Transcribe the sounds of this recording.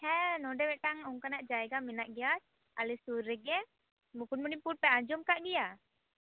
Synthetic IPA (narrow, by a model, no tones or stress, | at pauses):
hɛnɔɖɛwɛʈaŋuŋkanaʔd͡ʒajɡaminaʔɡija | a̰lisuɾːɛɡɛ | mukunmunipuʈ̚pɛaɲd͡ʒɔmkaʔɡija